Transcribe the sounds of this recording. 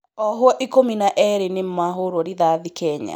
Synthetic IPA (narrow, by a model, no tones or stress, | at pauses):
ɔɦwɔʔikominaʔɛɾenem̩maɦoɾwɔɾiðaðikɛɲa̰